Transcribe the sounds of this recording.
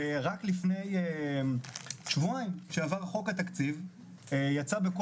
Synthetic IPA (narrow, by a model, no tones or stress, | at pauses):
eʁaklifne̞je | ʃvuaimʃeavaʁχo̞kat̪akt͡siv | ejat͡sabeko